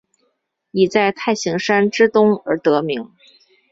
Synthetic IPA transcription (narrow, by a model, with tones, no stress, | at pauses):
i˨˩t͡sa˥˧ɪt̪ʰa˥˩ɪɕi˧˥ŋʂa˥nʈ͡ʂɻ̩˥t̪ʊ˥ŋə̰˞˧˥t̪ɤ˧˥mi˧˥ŋ